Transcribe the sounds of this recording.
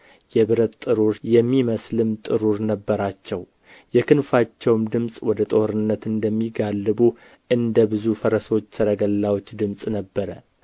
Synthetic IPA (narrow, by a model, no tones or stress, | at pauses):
jɛβɨɾət̪t̪ʼɨɾuɾjɛmːiməslɨmt̪ʼɨɾuɾnəbːəɾat͡ʃːɛw | jɛkʰɨnfat͡ʃːɛwmd̪ɨmsʼwɔd̪ət̪ʼo̞hɾɨnːət̪ɨnd̪əmːiɡalːɨbu | ʔɨnd̪əbɨzufəɾəso̞t͡ʃːsɨɾəɡəlːawot͡ʃːd̪ɨmsʼnəbːəɾə